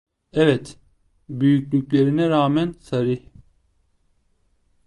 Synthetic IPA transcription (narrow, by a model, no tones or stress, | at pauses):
ɛvɛt̪ | byjyclʲycʲlʲeɾinɛɾaːmænsaɾih